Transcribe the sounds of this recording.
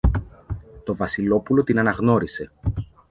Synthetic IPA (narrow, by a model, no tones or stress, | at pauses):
t̪o̞vɐsilo̞pulo̞t̪inɐnɐɣno̞ɾise̞